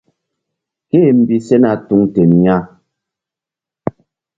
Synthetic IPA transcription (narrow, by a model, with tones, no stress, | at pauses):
ke˦˨m̩˨bi˦sɛ˦na˨tu˦ŋte˨mɲa˦